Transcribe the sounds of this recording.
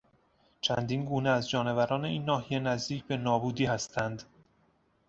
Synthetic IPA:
t͡ʃʰænd̪iːnɡuːneæzd͡ʒɒːne̞væɾɒːne̞iːnːɒːhijenæzd̪iːcʰbe̞nɒːbuːd̪iːhæst̪ʰænd̪

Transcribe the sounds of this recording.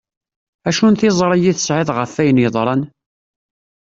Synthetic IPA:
æʃunt̪ɪzˤɾˤɑjiθə̥sʕɪðˤʁəfæjənjəðˤɾˤɑn

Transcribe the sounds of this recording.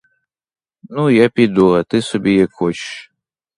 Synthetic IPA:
nujapʲid̪uɐt̪ɨsɔbʲijakxɔt͡ʃʃ

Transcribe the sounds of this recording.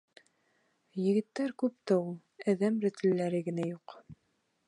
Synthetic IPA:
jɘ̆ɡɘ̆t̪ːæɾkʉp̚t̪æulˠ | æðæmɾɘ̆t̪ɘ̆lːæɾɘɡɘ̆næjuq

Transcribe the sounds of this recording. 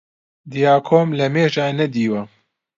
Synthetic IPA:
d̪ijaːkʰoːmlɐmeːʒaːnɐd̪iːwɐ

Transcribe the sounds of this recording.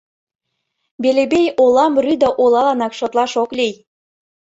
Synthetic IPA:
belebejolɑmryd̪əʔolˠɑlɑnɑkʃot̪lɑʃoklʲej

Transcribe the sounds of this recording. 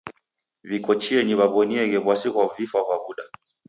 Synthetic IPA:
vikɔt͡ʃiɛɲiβaβɔniɛɣɛβwasiɣwavifakwaβuɗa

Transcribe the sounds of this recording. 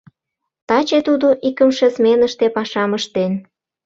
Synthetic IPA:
t̪ɑt͡ɕet̪ud̪oʔikə̆mʃesmenəʃt̪epɑʃɑməʃt̪en

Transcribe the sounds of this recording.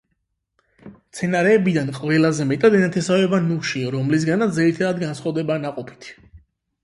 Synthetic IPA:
t̪sʰɛnaɾɛːbid̪anqʼvɛlazɛmɛt̪ʼad̪ɛnat̪ʰɛsavɛbanuʃiɔɾɔmlis̬ɡanat̪zɛɾit̪ʰad̪ad̪ɡansχavd̪ɛbaːnaqʼɔpʰi̥t̪ʰ

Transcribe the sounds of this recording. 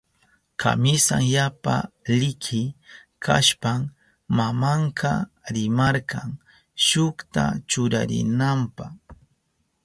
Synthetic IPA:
kʰa̰mɪsaŋjapalɪkʰɪ | kʰa̰ʃpam | mamaɴkɑɾɪmɑɾqɑŋ | ʃʊkt̪a̰t͡ʃʊɾa̰ɾɪ̰nampɑχ

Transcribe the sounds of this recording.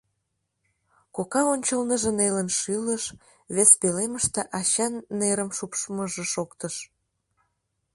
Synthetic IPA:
kokɑonʲt͡ɕəlnəʒə̆nelənʃyləʃ | βespeleməʃt̪eʔɑɕɑnːeɾəmʃupʃməʒĕʃokt̪əʃ

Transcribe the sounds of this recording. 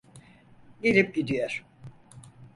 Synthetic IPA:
ɟelʲip̚ɟid̪ijoɾ̥

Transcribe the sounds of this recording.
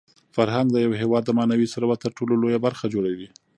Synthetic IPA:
faɾɦaŋɡ̪d̪əjawɦewɑd̪ːəmɑnawisaɾabat̪əɾʈololojabaɾxad͡ʒoɽawi

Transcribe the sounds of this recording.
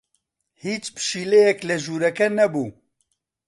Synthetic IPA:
hiːt͡ʃpɨ̥ʃiːlejɛklɛʒuːɾɛkɛnɛbuː

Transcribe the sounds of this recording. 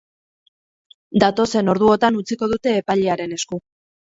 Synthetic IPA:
d̪at̪o̞se̞no̞ɾð̞uo̞t̪anut͡siko̞ð̞ut̪e̞ːpaʎeaɾe̞ne̞sku

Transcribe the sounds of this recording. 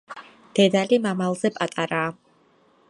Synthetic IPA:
d̪̥ɛd̪alimamalˠzɛpʼat̪ʼaɾaː

